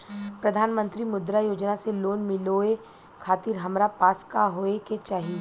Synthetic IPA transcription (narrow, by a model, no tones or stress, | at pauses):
pɾɐd̪ʱaːnmə̃nt̪ɾimʊd̪ɾajoːd͡ʒnaseloːnmɪloe | kʰaːt̪ɪɾɦɐmɾapaːskaɦoːeket͡ʃaːɦie